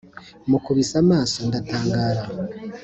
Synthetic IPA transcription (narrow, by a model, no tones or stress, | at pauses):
mukuβisamaːso̞ndataːŋɡaːɾa